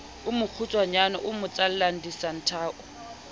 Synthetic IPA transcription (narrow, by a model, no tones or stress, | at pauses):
ʊmʊk͡xʰut͡sʼwaɲanɔʔʊmʊt͡sʼal̩laŋ̩disan̩tʰaːʔɔ